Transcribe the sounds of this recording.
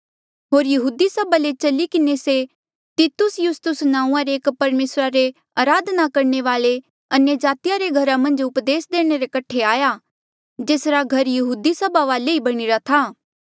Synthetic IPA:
ɦoːɾjɐɦuːd̪isɐbalet͡ʃɐlikɪnese | t̪it̪ʊsjʊst̪ʊsnãːũãɾeeːkpɐɾmeːsɾaɾe | aːɾaːd̪nakɐɾɳ̃eʋaːɭe | ɐnjəd͡ʒaːt̪ijaɾeɡʱɐɾamɐ̃nd͡ʒʊpd̪eːsd̪eːɽ̃eɾekɐʈʰeaːja | d͡ʒeːsɾaɡʱɐɾjɐɦuːd̪isɐbaʋaːleibɐɽ̃iɾat̪ʰaː

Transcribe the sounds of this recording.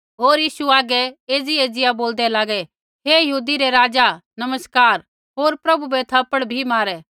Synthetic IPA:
ɦoːɾjiːsuaːɡɛeːd͡zieːd͡zɪjaboːld̪ɛlaːɡɛ | ɦejɐɦuːd̪iɾɛɾaːd͡ʒanɐməskaːɾ | ɦoːɾpɾɐbubɛt̪ʰɐpəɽbʱimaːɾɛː

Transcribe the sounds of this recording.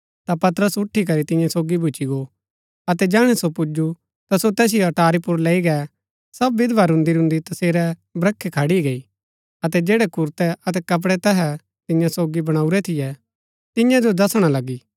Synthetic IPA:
t̪apɐt̪ɾəsʊʈʰːik̬ɐɾit̪ɪ̃jãsoːɡibʱʊt͡ʃiɡo | ɐt̪̬ɛd͡ʒɛːɽ̃ɛsopʊd͡ʒu | t̪asot̪ɛːs̬ɪjoɐʈaːɾipʊɾleːiɡɛ | sɐbʋɪd̪ʋaɾʊ̃nd̪iɾʊ̃nd̪it̪ɐseːɾɛbɾɐkʰːɛkʰɐɽiɡɐi | ɐt̪̬ɛd͡ʒeːɽɛkʊɾt̪ɛɐt̪̬ɛkɐp̬ɽɛt̪ɛɦɛ | t̪ɪ̃jãsoːɡibɐɽ̃aːuɾɛt̪ʰɪjɛ | t̪ɪ̃jãd͡ʒod̪ɐsɽ̃alɐɡiː

